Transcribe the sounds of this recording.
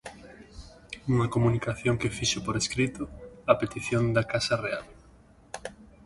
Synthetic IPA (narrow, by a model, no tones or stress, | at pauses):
uŋakomũnikaθjõŋkefiʃopoɾeskɾit̪oapet̪iθjond̪akasareal